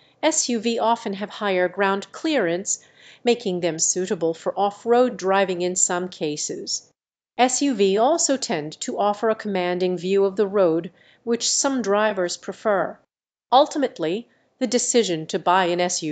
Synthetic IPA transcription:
ɛsjʉviʔɑfɨ̃nɨv̥haɪə˞ɡɹãʊ̃ndkʰl̥ɪɹɨ̃nts | meɪkɪ̃ŋðɨ̃msʉɾɨbl̩ˠfə˞ʔɔfɹoʊdɹaɪvɪ̃ŋɨ̃nsʌ̃mkʰeɪsɪz̥ | ɛsjʉviɔlˠsoʊtʰɛ̃ntʰɨɔfə˞ɨkʰəmæ̃ndɪ̃ŋvjʉʌvðəɹoʊd̚ | wɨt͡ʃsʌ̃mdɹaɪvə˞z̥pʰɹ̥ɨfɜ˞ | ʌlˠtʰəmɨtʰˡli | ðɨdɨsɪʒɨ̃ntʰɨbaɪɨ̃nɛsjʉ

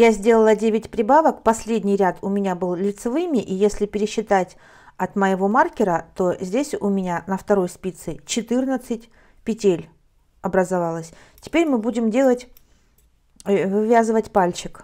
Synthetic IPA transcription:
jazʲdʲe̞lˠəlˠədʲevʲɪtʲpɾʲɪbavəkpɐsʲlʲedʲnʲɪjɾʲat̪ʊmʲɪnʲabɨlˠlʲɪt̪sɨvɨmʲɪʔijesʲlʲɪpʲɪɾʲɪɕːɪt̪atʲ | ɐt̪məjɪvo̞markʲɪɾət̪o̞zʲdʲesʲʊmʲɪnʲanəft̪ɐɾo̞jspʲit̪sɨt͡ɕɪt̪ɨrnət̪sɨtʲ | pʲɪtʲelʲ | ɐbɾəzɐvalˠəsʲ | tʲɪ̥pʲeɾʲmɨbudʲɪmdʲe̞lˠətʲ | vɨvʲazɨvətʲpalʲt͡ɕɪk

